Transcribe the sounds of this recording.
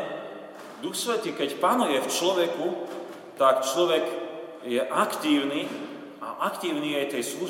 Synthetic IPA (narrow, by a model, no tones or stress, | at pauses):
d̪uxsʋɛt̪iːkɛcpanujɛft͡ʃlɔʋɛku | t̪akt͡ʃlɔʋɛɡ | jɛʔakt̪iːʊniː | a̰ʔakt̪iːʊniːajt̪ɛjslu